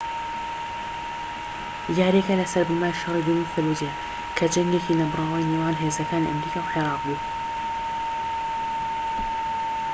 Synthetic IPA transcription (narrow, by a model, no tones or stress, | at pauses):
jaːɾikɐlɐsɐɾbɨmaːɾiʃɐɾid̪umifɨlud͡ʒe | kʰɐd͡ʒɐŋɡecinabɨrˤɑːwaːjnewaːnɦezɐkaːniʔɐ̰mɾiːkaːwħeɾɑːq̚buː